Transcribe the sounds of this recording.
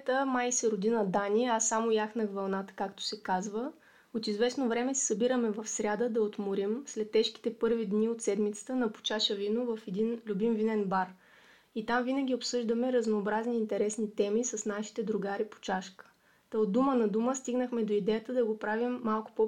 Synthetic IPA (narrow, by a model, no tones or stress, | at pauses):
t̪əmajsɛɾod̪inəd̪aniɛasːamojaxnɐɡvɐlˠnat̪ə̥kakt̪o̥sɛkazvə | ot̪izvɛsnovɾɛmɛsɛ̥sɐbiɾəmɛvɐfsɾʲad̪əd̪ɐot̪mʊɾimslɛt̪ːɛʃki̥t̪ɛpɤɾvid̪niot̪sɛd̪mit̪sə̥t̪ənɐpo̥t͡ʃaʃəvinovɐfɛd̪inlʲubimvinɛnbaɾ | it̪amvinəɡʲiopsɤʒd̪əmɛɾəznoːbɾazniːnt̪ɛɾɛsnit̪ɛmisɐsnaʃi̥t̪ɛd̪ɾʊɡaɾipo̥t͡ʃaʃkə̥ | t̪od̪umənɐd̪uməst̪iɡnəxmɛd̪oid̪ɛjət̪əd̪ɐɡopɾavimːalˠkʊ̥po